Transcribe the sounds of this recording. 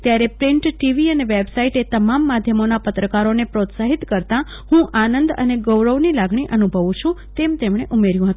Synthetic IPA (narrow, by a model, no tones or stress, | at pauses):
t̪jaɾepɾɪɳʈʈiʋiəneʋebsaiʈet̪əmamːad̪ʱjəmonapət̪ɾəkaɾonepɾot̪saɦit̪kəɾt̪ã | hũʔanənd̪ə̰neɡəwɾəʋnilaɡɳ̃iʔənubʱəʋũt͡ʃʰũt̪emt̪emɽ̃eʔumeɾjũɦət̪ũ